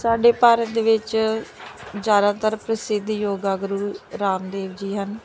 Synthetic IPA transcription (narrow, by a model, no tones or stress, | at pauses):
saːɖeːpaːɾət̪̚d̪eːʋɪt͡ʃ | d͡ʒaːɾãːt̪əɾpɾəsɪd̪ʱjoːɡaːɡɾuːɾaːmd̪eːʋd͡ʒiːɦən